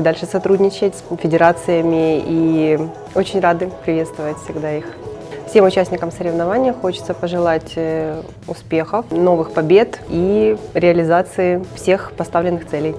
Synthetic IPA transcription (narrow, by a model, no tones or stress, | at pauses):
d̪alʲʂɨsɐt̪ɾudʲnʲɪt͡ɕɪtʲfʲɪdʲɪɾat̪sɨjəmʲɪi | o̞t͡ɕɪnʲrad̪ɨpɾʲɪvʲe̞t̪st̪vəvətʲfʲsʲɪɡd̪aixfsʲe̞mʊt͡ɕæsʲnʲɪkəmsəɾʲɪvnɐvanʲɪjəxo̞t͡ɕɪt̪səpəʐɨlˠatʲ | ʊspʲe̞xəfno̞vɨxpɐbʲe̞t̪iɾʲɪɐlʲɪzat̪sɨɪfsʲe̞xpɐst̪avlʲɪnːɨxt̪sɛlʲɪj